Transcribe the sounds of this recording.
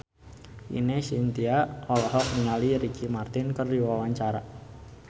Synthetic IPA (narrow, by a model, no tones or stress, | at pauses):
ʔḭnesint̪iaɔlɔɦɔk̚niŋaliɾikʰimart̪ɪnkərdiwawaɲt͡ʃaɾa